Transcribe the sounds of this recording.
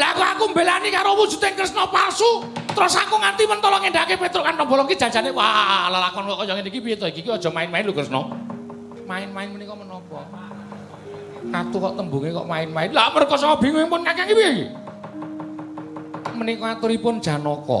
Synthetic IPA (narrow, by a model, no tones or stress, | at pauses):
lakuakumbelanikaɾowud̥ʒ̥ṳt̪eŋkərsnɔparsut̪əɾʊsakuŋant̪imənt̪ɔlɔŋeɳɖaʔkepet̪ɾʊʔkanʈɔbɔlɔŋkid̥ʒ̥ad͡ʒanewalalakɔnkɔʔkɔjɔŋenikipiet̪ɔikikiɔd̥ʒ̥ɔ̤maɪnmaɪnlukərsnɔ̰ | maɪnmaɪnmənikɔmənɔpɔ | kat̪ukɔʔt̪əmbuŋikɔ̰ʔmaɪnmaɪnlamərkɔsɔkɔb̥iŋuɛŋpʊnkakaŋipijekḭ | mənikɔat̪uɾipʊnd̥ʒ̥a̤nɔkɔ̰